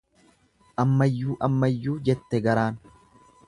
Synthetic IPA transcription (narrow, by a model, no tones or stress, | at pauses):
ʔɐmːɐjːuːʔɐmːɐjːuːd͡ʒɛt̪ːɛɡɐɾaːn